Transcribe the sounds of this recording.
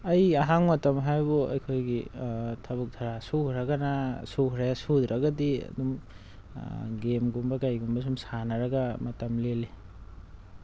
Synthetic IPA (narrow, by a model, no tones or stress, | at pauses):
ɐjɐɦaŋmɐtɐmɦajbuɐ̰jkʰojɡitʰɐβuk̚dʰʱaɾasuhɾaɡɐnasuhɾajasud̪ɾɐɡɐdiɐ̰dum | ɡemɡumbɐkajɡumbɐs̬umsanɐɾɐɡɐmɐtɐmleli